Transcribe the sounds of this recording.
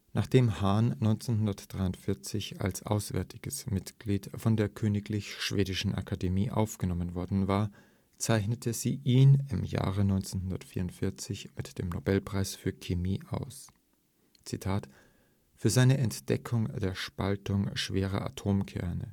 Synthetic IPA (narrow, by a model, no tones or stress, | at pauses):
naːχd̥eːmhaːnnːɔʏnt͡senɦʊndɐtd̥ʁaɪʊntfɪɐt͡sɪça̰lsʔa̰ʊsv̥ɛ̰ɐtʰɪɡ̥əsmɪtɡ̥liːtfɔndeːɐkʰøːnɪklɪçʃv̥eːdɪʃn̩ʔa̰kʰademḭːʔa̰ʊfɡ̥ənɔmənvɔɐdn̩vaːɐ | t͡saɪçnətʰəziːʔiːnɪmja̰ːʁənɔʏnt͡senɦʊndɐtfiːɐʊntfɪɐt͡sɪçmɪtd̥eːmnobɛlpʁ̥aɪsfyːɐkʰemiːʔaʊs | t͡sitʰaːt | fyːɐzaɪnəʔɛntd̥ɛ̰kʰʊŋd̥eːɐʃpaltʊŋʃv̥eːʁ̞ɐ̰ʔa̰tʰoːmkʰɛ̰ɐnə̰